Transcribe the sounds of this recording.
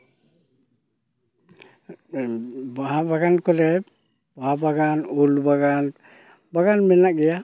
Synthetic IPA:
baɦabaɡankʰɔlɛ | baɦabaɡanulbaɡan | baɡanmɛnakɡɛja

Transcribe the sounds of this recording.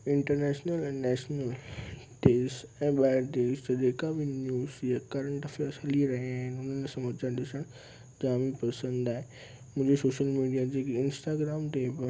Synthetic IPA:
ɪ̃ɳʈəɾnɛːʃnəlɛ̃nɛːʃnəl | ʈeːsɛ̃ːɓaːɪɾʈ̪eːst̪ɐd͡ʑeːkabɪnjuːzjakɐɾə̃ɳʈɐfeɐsəliɾɐɦiaːɦɪnʊn̤ənsãːɐt͡ɕãɗɪsəɽ̃ | d͡ʑaːmipɐsə̃nd̪aːɦe | mʊ̃ɦɪ̃d͡ʑesoːʃəlmiːɖijad͡ʑeːkɪnsʈaːɡɾaːmt̪ebɪ

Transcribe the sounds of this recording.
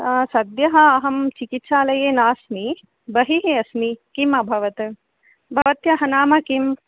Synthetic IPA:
sɐd̪jɐɦɐːɦɐmt͡ʃikit̪ʃaːlɐjeːnaːsmi | bɐɦiɦiɐsmikimɐbʱɐʋɐt̪ | bʱɐʋɐt̪jɐɦɐnaːmɐkim

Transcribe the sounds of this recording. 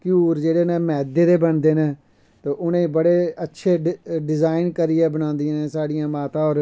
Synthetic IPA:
kjuːɾd͡ʒeːɽeːnẽːmɛːd̪eːd̪eːbəɳd̪eːnẽː | t̪oːʔʊnẽːbəɽeːətːʃʰeːɖɪzaːɪnkəɾiːɛːbənãːnd̪ĩːnẽːsaːɽɪjãːmaːt̪ãːɔːɾ

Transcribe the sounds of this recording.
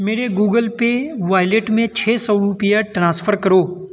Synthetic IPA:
meːɽeɡuːɡəlpeʋaːɪleːʈmẽt͡ʃʰeːsɔɾupijaʈɾãːsfʰəɾkɐɾoː

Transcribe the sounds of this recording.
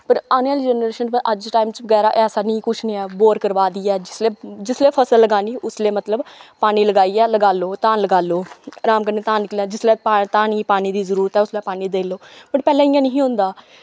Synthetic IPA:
pəɾaːnaːld͡ʒɛːnɾeːʃənəʔəd͡ʒʈaːimt͡ʃʋəɡɛːɾaːʔɛːsaːnĩːkʊt͡ʃʰnĩːɛːboːɾkəɾʋaːd̪iːɛːd͡ʒɪsleːd͡ʒɪsleːpʰəsəlːəɡaːniːʔʊsleːmət̪ləbpaːñiːləɡaːiːɛːləɡaːloːt̪aːnləɡaːloːɾaːmkəneːt̪aːnklɛ̃ːd͡ʒɪsleːat̪aːniːpaːñiːd̪iːzəɾuːɾət̪ɦɛːʊslɛːpaːniːd̪eːloːbəʈpɛːlɛ̃ːɪjãːnəɦĩːɦʊ̃ːnd̪aː

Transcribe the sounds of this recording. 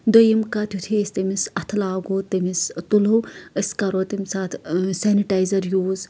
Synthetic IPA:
d̪ojimkat̪ʲjut̪ʰiːsʲt̪ɐmisɐt̪ʰlaːɡoːt̪ɐmist̪uloəskɐɾoːt̪imʲsaːt̪ʰseːniʈajzɐɾjuːz

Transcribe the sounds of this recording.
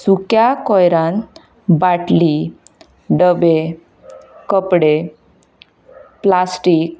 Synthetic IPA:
sukjakɔjɾãn | baʈli | ɖəbe | kəpɽe | plasʈiːk̚

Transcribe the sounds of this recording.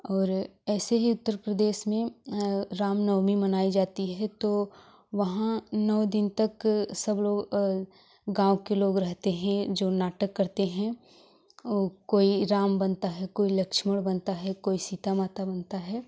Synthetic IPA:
ɔːɾɛːseɦiʊt̪ːəɾpɾəd̪eːʃmẽ | ɾaːmnɐːmimɐnaːid͡ʒaːt̪iɦɛt̪o | ʋɐɦãnɔːd̪ɪnt̪ɐksɐbloːɡ | ɡãːwõkeloːɡɾɐɦt̪eɦɛ̃d͡ʒoːnaːʈəkːɐɾt̪eɦɛ̃ | okoːiɾaːmbɐnt̪aɦɛkoːilɐkʃməɽbɐnt̪aɦɛkoːisiːt̪amaːt̪abənt̪aɦɛː

